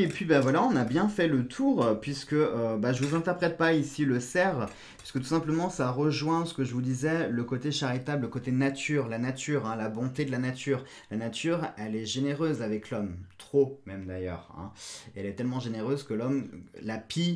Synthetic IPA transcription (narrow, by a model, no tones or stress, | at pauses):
iepɥibavwalaɔ̃nabjɛ̃fɛlət̪ʰuʁpɥiskəøbaʒəvuzɛ̃t̪ɛʁpχɛt̪̚paisiləsɛʁ | pɥi̥skət̪u̥sɛ̃pləmɑ̃saʁəʒwɛ̃sə̥kəʒəvud̪izɛləkot̪eʃaʁit̪abləkot̪enat̪ʰyʁlanat̪ʰyʁɛ̃labɔ̃t̪ed̪əlanat̪ʰyːʁ | lanat̪ʰyʁɛlɛʒeneʁøzavɛklɔmt̪χomɛmd̪ajœ̰ːʁɛ̰̃eɛlɛt̪ɛlmɑ̃ʒeneʁøzkəlɔmlapʰi